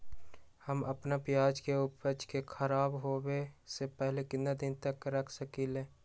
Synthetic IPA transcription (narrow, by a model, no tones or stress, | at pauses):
həməpnapjaːd͡ʒkeʊpət͡ʃkekʰəɾaːbɦowesepɛɦlekɪ̃nd̪ad̪ɪnt̪əkɾəkʰsəkileː